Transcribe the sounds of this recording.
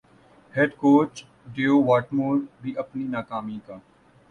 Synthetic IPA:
heːɖkoːt͡ʃ | ɖeːoːʋaːʈmoːɾbʱiʔɐpninaːkaːmĩkaː

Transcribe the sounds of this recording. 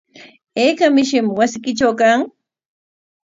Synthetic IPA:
eːkamɪʃɪmwasɪkɪʈ͡ʂawkaŋ

